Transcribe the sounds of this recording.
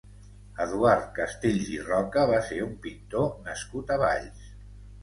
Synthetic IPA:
əðuaɾt̪̚kəst̪eʎzirɔkəβ̞aseɾumpint̪onəskut̪əβa̰ʎs

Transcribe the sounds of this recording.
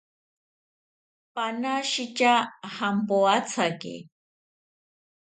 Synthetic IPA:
panaʃit͡ʃahampoat͡sʰakḛ

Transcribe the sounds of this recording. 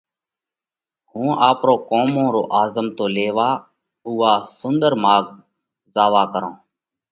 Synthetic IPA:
hũːaːpɾoːkoːmõːɾoːʔaːzəmt̪oːleːʋaː | uːaːsʊnd̪əɾmaːɡ̚ | zaːʋaːkəɾõ̰ː

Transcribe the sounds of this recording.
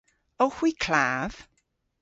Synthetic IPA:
owxwiːkʰl̥aːv̥

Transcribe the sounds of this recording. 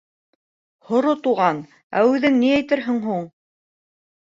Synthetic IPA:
hŏɾot̪uʁɑn | æ̰ʉðɘŋniæjt̪ɘɾɦɘŋɦuɴ

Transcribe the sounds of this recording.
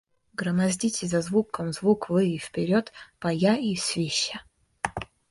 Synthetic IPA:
ɡɾɐmɐzʲdʲitʲɪzɐzvukːəmzvukvɨifpʲeɾʲot̪pɐjaisʲvʲeɕa

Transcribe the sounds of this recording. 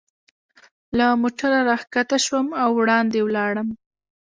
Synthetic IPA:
lamoʈaɾaɾɑxkat̪aʃwəmawːɽɑnd̪ewlɑɽəm

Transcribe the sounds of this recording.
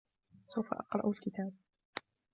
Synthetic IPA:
sawfa̰ʔɑqɾˤɑ̰ʔalkɪt̪aːb̚

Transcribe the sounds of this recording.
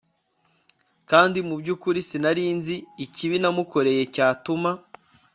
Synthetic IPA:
kaːndimubɟuːkuɾisinaɾiːnziːciβinamuko̞ɾe̞je̞caːtuma

